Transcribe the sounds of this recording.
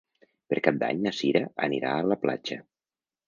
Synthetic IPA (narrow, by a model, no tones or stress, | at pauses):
pəɾkap̚d̪a̰ɲnəsiɾəʔə̰niɾaələpla̰d͡ʒə